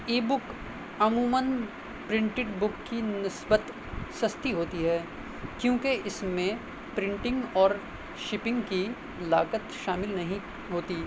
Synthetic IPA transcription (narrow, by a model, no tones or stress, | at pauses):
eːbʊk | ɐŋɡuːmən | pɾɪ̃ɳʈɪʈbʊkːinɪsbət̪ | sɐst̪iɦoːt̪iɦɛː | kjõːkeɪsmẽ | pɾɪ̃ɳʈɪ̃ŋɡɔːɾ | ʃɪpɪ̃ŋɡki | laːɡət̪ʃaːmɪlnɐɦĩ | ɦoːt̪iː